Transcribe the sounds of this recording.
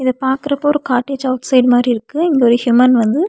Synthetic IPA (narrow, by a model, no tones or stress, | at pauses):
ɪðɐpaːɾkɯɾɐpːoːɾɯkaːʈːeːd͡ʒɐʊʈsɐɪɖmaːd̪ɾiɪɾɯkːɯɛŋɡeɔɾɪhjʊmɐnʋɐnd̪ɯ